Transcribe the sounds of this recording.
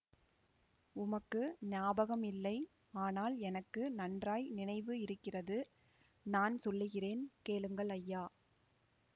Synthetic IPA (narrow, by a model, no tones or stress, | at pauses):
ʊmɐkːɯnɪaːbɐɣɐmɪlːɐɪ | aːnaːlɛnɐkːɯnɐndraːjnɪnɐɪʋɯɪɾɯkːɪrɐðɯ | naːnsɔlːɯɣɪreːnkeːlɯŋɡɐɭɐjːaː